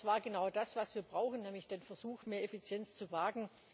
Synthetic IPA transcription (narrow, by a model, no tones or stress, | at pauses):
v̥aːɐɡənaʊdasv̥asv̥iːɐbʁaʊxən̩nɛːmlɪçd̥eːnfɛɐzuːxmeːɐefit͡sjɛnt͡st͡suvaːɡn̩